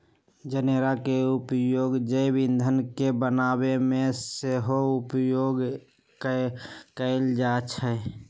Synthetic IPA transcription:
d͡ʒəneɾakeupjoːɡd͡ʒəjbĩnd̪ʱənkebənaːbemẽseɦoʊpjoːɡ | k | kəɪld͡ʒaːt͡ʃʰɛ

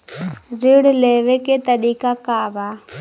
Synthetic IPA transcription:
ɾɪɽleːʋeket̪əɾiːkakabaː

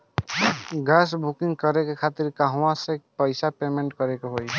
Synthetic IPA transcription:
ɡasbʱukĩŋɡkəɾekekʰat̪iɾkaɦwãsepəɪsapemeɳʈkəɾekeɦoj

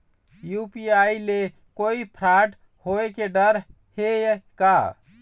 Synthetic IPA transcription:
jupiaile | koipʰɾaʈ | hoekeɖəɾ | hejka

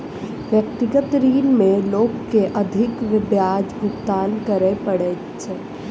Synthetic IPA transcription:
ʋjək̚t̪ɪɡət̪ɾiːnmẽloːɡkːeʔəd̪ʱɪkʋɪd̪jaːd͡ʒbʱʊɡt̪aːnkəɾepəɽe | t͡ʃʰe

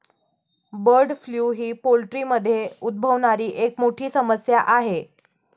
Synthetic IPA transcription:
bəɾɖfljuːɦiːpolʈɾiːməd̪ʱːjeud̪̚bʱəʋɳaɾiːʔekmoʈʰiːsəməsjaʔaɦe

